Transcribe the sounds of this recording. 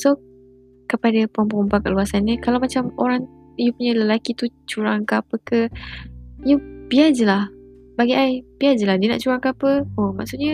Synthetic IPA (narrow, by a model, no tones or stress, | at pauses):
so | kəpadəpəɔmpəɔmpakəluasanːikalawmat͡ʃamoɾaŋ | jupuɲaləlakit̪ut͡ʃuɾaŋkəapəkə | jubiad͡ʒəlah | baɡiʔajb̥iad͡ʒəlahdina̰ʔt͡ʃuɾaŋkəapəoma̰ʔsuʔ̚ɲə